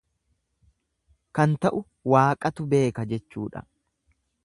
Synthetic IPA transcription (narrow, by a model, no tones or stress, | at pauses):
kɐnt̪ɐʔʊ | waːkʼɐt̪ʊbe̞ːkɐd͡ʒɛt͡ʃːuːᶑɐ̰